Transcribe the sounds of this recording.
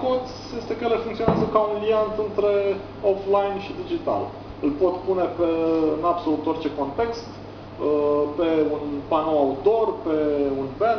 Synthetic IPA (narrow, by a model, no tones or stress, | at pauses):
kod̪z | je̞st̪e̞kəjelefuŋkt̪sio̞neazəkaunliant̪ɨnt̪ɾe̞ | oflajnʃid̪id͡ʒit̪a̰l | ɨlpo̞t̪pune̞peɨnabso̞lut̪o̞rt͡ʃe̞ko̞nt̪e̞kst̪ | əpe̞unpanoaut̪o̞rpe̞unben